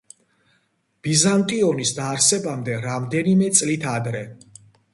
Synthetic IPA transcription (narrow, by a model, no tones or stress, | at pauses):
b̥izant̪ʼiɔnisd̪aːɾsɛbamd̪ɛɾamd̪ɛnimɛt̪sʼlit̪ʰad̪ɾɛ